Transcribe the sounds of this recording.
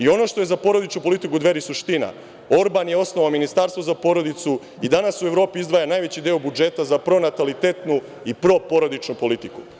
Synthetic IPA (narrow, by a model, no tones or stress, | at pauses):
io̞no̞ʃt̪oezapo̞ɾo̞d̪it͡ʃnupo̞lit̪ikud̪ʋe̞ɾisuʃt̪ina̰ | o̞ɾbanjeo̞snoʋaominist̪aɾst̪ʋozapo̞ɾo̞d̪it̪su | id̪anasue̞ʋɾo̞ːpiizd̪ʋaːjanajʋet͡ɕid̪eobud͡ʒe̞t̪azapɾo̞nat̪alit̪et̪nu | ipɾo̞po̞ɾod̪it͡ʃnupo̞lit̪iku